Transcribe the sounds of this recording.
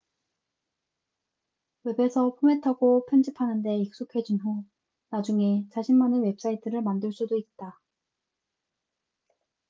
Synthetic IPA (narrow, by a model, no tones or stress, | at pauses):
we̞be̞sʰʌpʰome̞tʰaɡopʰjʌnd͡ʑipʰanɯnde̞ik̚s͈okʰe̞d͡ʑunɦu | nad͡ʑuŋe̞t͡ɕaɕʰinmanɯwe̞p̚s͈aitʰɯɾɯɭmandɯɭs͈udoit̚t͈a